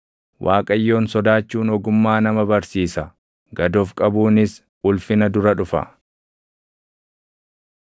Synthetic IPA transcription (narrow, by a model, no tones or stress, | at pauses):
wʔaːkʼɐjːo̞ːnsɔd̪aːt͡ʃːuːnɔɡʊmːaːnɐmɐbɐɾsiːsɐ | ɡɐd̪ofkʼɐbuːnɪs | ʔʊlfɪnɐd̪ʊɾɐᶑʊfɐ̰